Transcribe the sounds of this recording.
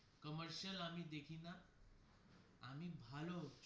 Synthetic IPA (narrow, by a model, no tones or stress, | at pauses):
kəməɾɕəlam̤iːd̪ekʰiːna | m̤iːbʱalo